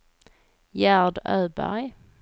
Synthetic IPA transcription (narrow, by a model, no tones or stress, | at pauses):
jæɖ̪œːbæ̰ɾj